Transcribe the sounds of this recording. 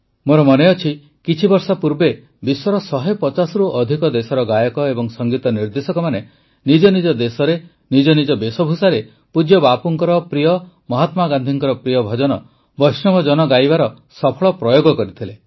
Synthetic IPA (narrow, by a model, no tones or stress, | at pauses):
moɾɔmɔneɔt͡ʃʰi | kit͡ʃʰibɔɾsɔpuɾbe | bisɔɾɔsɔɦejpɔt͡ʃasɔɾuʔɔd̪ʱikɔd̪esɔɾɔɡajɔkɔebɔŋsɔŋɡit̪ɔniɾd̪esɔkɔmane | nid͡ʒɔnid͡ʒɔd̪esɔɾe | nid͡ʒɔnid͡ʒɔbesɔbʱusaɾe | pud͡ʒjɔbapuŋkɔɾɔpɾijɔ | mɔɦat̪maɡand̪ʱiŋkɔɾɔpɾijɔbʱɔd͡ʒɔnɔ | bɔjsnɔmɔd͡ʒɔnɔɡajbaɾɔ | sɔpʰɔɭɔpɾɔjoɡɔkɔɾit̪ʰile